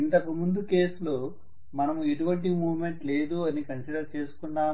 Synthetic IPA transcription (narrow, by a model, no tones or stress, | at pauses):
int̪ɐkɐmund̪uke̞ːsloː | mɐnɐmueʈuʋɐɳʈ̬imuːʋme̞ɳʈle̞ːd̪uɐnikɐnsiɖɐɾt͡ʃe̞ːsu̥kuɳɖaː